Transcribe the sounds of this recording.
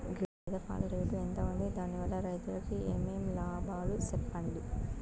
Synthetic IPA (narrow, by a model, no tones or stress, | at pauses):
ɡ | d̪ɐpa̰ːlɐɾeʈ̪uent̪ɐund̪id̪aːniʋɐlːɐɾɐjt̪ulɐkieːmeːmlaːbaːlusɛpːɐɳli